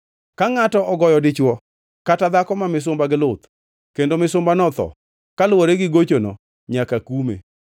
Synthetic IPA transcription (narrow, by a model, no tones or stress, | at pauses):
kaŋatɔʔɔɡɔjɔdɪt͡ʃwɔ | katad̪akɔmamɪs̬ʊmbaɡɪlʊt̪ | kendomɪsʊmbanɔt̪ɔ̰ | kalwoɾeɡɪɡot͡ʃonɔ̰ | ɲakakumḛ